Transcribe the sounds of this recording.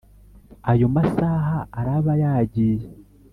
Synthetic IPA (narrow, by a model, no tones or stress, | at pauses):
ajo̞masaːɦaːɾaβajaːɟiːje